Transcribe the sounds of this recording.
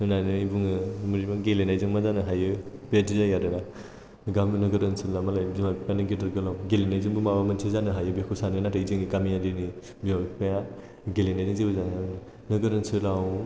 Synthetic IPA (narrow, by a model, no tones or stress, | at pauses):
nɯnanɯbuŋɯmuɾimaɡelenajzɯŋmazanɯɦajɯbetizajaɾɯna | ɡamnɯɡɯɾɯnsɯlamalajzimakpjanɯɡidɯɾɡɯlawɡelenajzɯŋbumabamantʰizanɯɦajɯbekʰusanɯnataizɯŋiɡamijadini | bialpʰeja | ɡelenajzɯŋzibɯzaan | nɯɡɯɾɯnsɯlaw